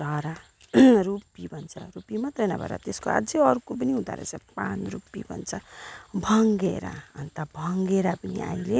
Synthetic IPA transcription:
ɾʱʌɾa | rupibʱʌnt͡sʰʌ̰ɾupimʌt̪rʌnabʱʌ̰ɾa̰t̪eskoa̰d͡zeʌɾukop̬ʌniɦũd̪a̰ɾḛt͡sapanrupḭbʱʌ̰nt͡sʰʌbʱʌŋɡeɾa̰ʌnt̪abʱʌŋɡeɾapʌnḭa̰jle

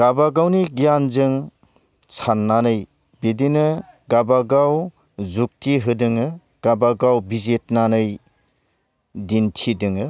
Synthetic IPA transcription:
ɡ̥abaɡawniɡijanzɯŋ | t͡ʃʰanːanɯj | bidinɯ | ɡabaɡaw | zuk̚tʰiɦɯdɯŋɯ | ɡ̥abaɡawbizet̚nanɯj | dintʰidɯŋɯ

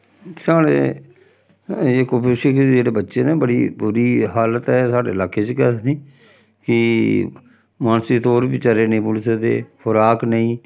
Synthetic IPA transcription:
saːɽḛː | ekopeʃɪkd͡ʒeːɽeːbətːʃeːneːbəɽḭːbʊɾiːɦaːlət̪ɛːsaːɖḛːəlaːkeːt͡ʃkɛːsnĩː | kɪ | maːnsiːt̪oːɾbiːt͡ʃəɾeːnĩːbulsed̪ḛːhʊɾaːknəĩː

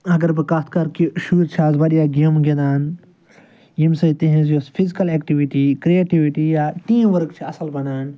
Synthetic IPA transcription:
ɐɡɐɾbɨkat̪̚ʰkɐɾkiʃuːɾt͡ʃʰaːzbɐɗijaːɡemɡʲed̪aːn | jimsɐt̪iɦẽzjospʰizikɐlekʈiʋiʈikɾieːʈiʋiʈijaːʈ̪ĩːʋɐɾɨkt͡ʃʰiɐsɐlbɐnaːn

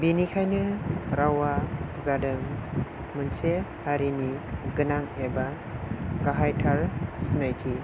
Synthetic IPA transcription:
binikʰajnɯɾawazadɯŋ | mɯnsehaɾiniɡɯnaŋeba | kaɦajtʰaɾsinajkʰi

